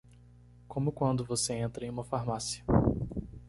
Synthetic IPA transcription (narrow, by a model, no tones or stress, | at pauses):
kõmʊkwɐ̃nd̪ʊvoseẽnt̪ɾɐẽj̃ũmɐfaɾmasiɐ